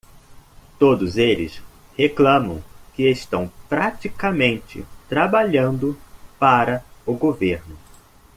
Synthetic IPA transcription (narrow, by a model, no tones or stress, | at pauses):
t̪od̪ʊzelɪ̰s | heklɐ̃mɐ̰̃w̃kɪest̪ɐ̃w̃pɾat͡ʃikɐmẽnt͡ʃɪ̰t̪ɾabaʎɐ̃nd̪ʊpaɾɐʊɡoveɾnʊ